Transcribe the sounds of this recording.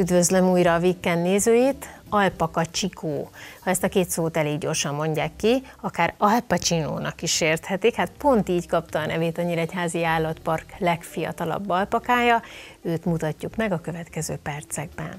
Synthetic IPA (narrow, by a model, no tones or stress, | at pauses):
yd̪vø̞zlømuːjɾɒːvikːɛnːeːzøːjeːt̪ | ɒlpɒkɒt͡ʃikʰoːhɒɛst̪ɒkeːt̪soːt̪ɛleːɡɟo̞̰rʃɒmːo̞ɲɟaːkːi | ɒkaːɾɒlpɒt͡ʃino̰ːnɒkiʃeːrt̪hɛt̪ikhat̪̚po̞nt̪iːckɒpt̪ɒːnʔɛ̰veːt̪ɒɲːiɾɒɛchaːziaːlːɒt̪pɒrklɛkfijɒ̰t̪ɒlɒ̰bːɒlpɒkaːjɒøːt̪mut̪ɒcːukmɛɡɒkø̞vɛt̪kɛzø̰ːpɛrt̪sɛɡ̚bɛ̰n